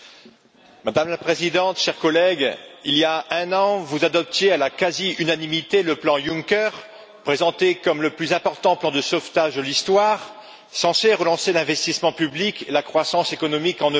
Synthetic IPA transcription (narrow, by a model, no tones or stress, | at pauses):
mad̪amlapχezid̪ɑ̃t̪ʃɛʁkɔlɛɡiljaɛ̃nɑ̃vuzad̪ɔp̚t̪jealakaziynanimit̪eləplɑ̃jũŋkʲœʁ | pχezɑ̃t̪ekɔmləplyzɛ̃pɔʁt̪ɑ̃plɑ̃d̪əsɔft̪aʒd̪əlist̪waʁ | sɑ̃seʁəlɑ̃selɛ̃vɛst̪ismɑ̃pyblikʰelakχwasɑ̃sekɔnɔmikɑ̃nø